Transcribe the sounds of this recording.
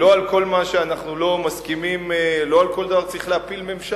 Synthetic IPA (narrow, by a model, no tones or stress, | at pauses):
lo̞alko̞lmaʃeanaχnulo̞maskimimlo̞alko̞ld̪avaʁt͡sʁiχleapilmemʃa